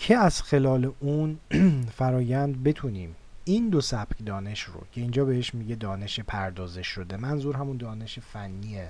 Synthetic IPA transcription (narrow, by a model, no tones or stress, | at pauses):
cʰeæz̥xe̞lɒːle̞ʔunfæɾɒːjænd̪̚be̞t̪ʰuːniːm | iːnd̪osæb̥cʰd̪ɒːne̞ʃro̰cʰe̞iːnd͡ʒɒːbeheʃmiɟe̞d̪ɒːne̞ʃepʰæɾd̪ɒːze̞ʃo̞d̪e̞mænzuːɾɦæmund̪ɒːne̞ʃefænːiːe